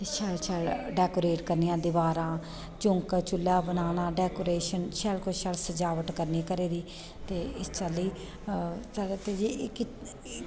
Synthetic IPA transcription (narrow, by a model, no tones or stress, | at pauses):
t̪eːʃɛːlt͡ʃʰɛːlɖɛːkoːɾeːʈkəɾniːãːd̪ɪʋaːɾãː | t͡ʃʊŋkt͡ʃʊlːaːbənaːnãːɖɛːkoːɾeːʃənʃɛːlkoʃɛlsəd͡ʒaːʋəʈkəɾniːkəɾeːɾiː | t̪eːɪst͡ʃaːliː | sat̪eːd͡ʒikɪ